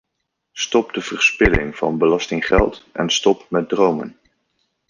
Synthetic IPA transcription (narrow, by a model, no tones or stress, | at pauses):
stɔpdəv̥ərspɪlɪŋv̥ɑ̰nbəlɑstɪŋχɛ̰lˠtʔɛ̰nstɔpmɛt̚drowmə̰n